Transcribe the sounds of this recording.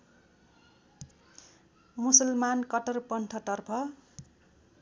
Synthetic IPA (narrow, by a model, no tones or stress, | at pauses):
musʌlmankʌʈʌrpʌnʈʰʌʈʌrpʰʌ